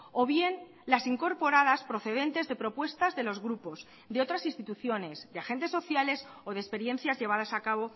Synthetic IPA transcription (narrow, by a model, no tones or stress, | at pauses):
o̞βje̞n | lasiŋko̞ɾpo̞ɾaðaspɾo̞θe̞ð̞e̞nt̪e̞zðe̞pɾo̞pwe̞st̪azðe̞lozɣɾupo̞z | d̪eo̞t̪ɾasinst̪it̪uθjo̞ne̞zðeaxe̞nt̪e̞sːo̞θjale̞soð̞espe̞ɾjẽ̞n̟θjazʝe̞βaðasakaβ̞o̞